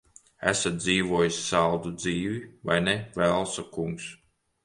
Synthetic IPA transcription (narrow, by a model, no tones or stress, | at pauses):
æ̰sat̪̚d̪ziːvuɔjisʲsalˠd̪ud̪ziːviva̰jnɛvælˠsɔkuŋks